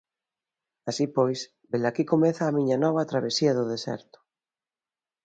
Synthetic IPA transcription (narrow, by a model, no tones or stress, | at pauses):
asipojs | belakikomeθaːmĩɲɐnɔβ̞ɐt̪ɾaβesiɐðʊðesɛ̰ɾt̪ʊ̥